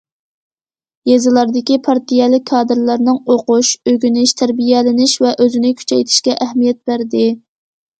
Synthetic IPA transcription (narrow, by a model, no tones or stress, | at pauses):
jezɨlˠɑɾd̪ɪkʲipʰɑɾt̪ijɛlˠɪkʲʰːɑːd̪ɨɾlˠɑɾnɨŋoqʊʃøɡʲynɪʃt̪ʰæɾbijɛlɪnɪʃvɛʔøzɪnɪkʲʰy̥t͡ʃʰɛjt̪ʰɪ̥ʃkʲɛʔæhmijɛt̪̚b̥æɾd̪ɪ